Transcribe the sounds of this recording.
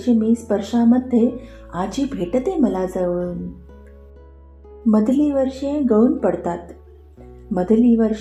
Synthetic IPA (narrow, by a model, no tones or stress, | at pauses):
d͡ʑmiːspəɾʂaməd̪ʱːje | ad͡ʑiːbʱeʈət̪eməlad͡zaʋun | məd̪ʱliʋəɾʂjẽɡəunpəɽt̪at̪ | məd̪ʱliʋəɾ